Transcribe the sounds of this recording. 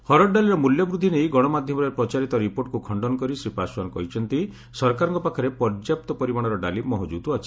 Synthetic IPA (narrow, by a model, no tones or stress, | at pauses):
hɔɾɔʈɖaliɾɔmuljɔbɾud̪ʱːinejɡɔɽ̃ɔmad̪ʱjɔmɔɾeɾepɾɔt͡ʃaɾit̪ɔɾipoɾʈ̚kukʰɔɳɖɔnɔkɔɾisɾipasankɔɦit͡ʃʰɔnt̪i | sɔɾkaɾɔŋkɔpakʰɔɾepɔɾd͡ʒjap̚t̪ɔpɔɾimaɽ̃ɔɾɔɖalimɔɦɔd͡ʒud̪uat͡ʃʰi̥